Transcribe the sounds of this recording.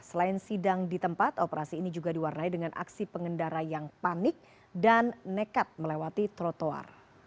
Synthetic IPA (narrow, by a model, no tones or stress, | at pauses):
səlaɪnsidaŋdit̪əmpat̪opəɾasiːnid͡ʒuɡadiwarnaidəŋanʔa̰ksipəŋəndaɾajaŋpanɪk̚ | danːekat̪̚məlewat̪it̪ɾot̪oa̰r